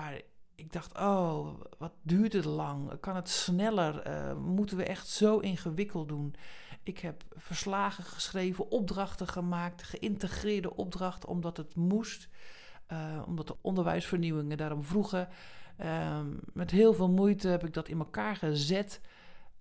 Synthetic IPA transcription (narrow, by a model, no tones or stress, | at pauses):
maɹɪɡ̚dɑxtʰoːʋɔt̚dyːɹtətlɑŋ̰kɑnətsnɛlərə̰mutənʋəʔɛxtsowʔɪnxəʋɪkʰəlˠt̚dunʔɪkhɛp | fəɹslaːɣəxə̥sxreːjvəʔɔp̚drɑxtəxəmaːk̚txəʔɪntəxrɪːɹdə̰ʔɔb̚drɑxtəɔ̰mdɔtətmust | ɔ̰mdɔtəʔɔndəɹʋɛ̰jsfəɹniwɪŋədaːɾɔmvruɣə | mɛtɦɪːlˠvɪːlˠmujtəhɛpɪɡ̚dɔtɪnməkaːɹxəzɪt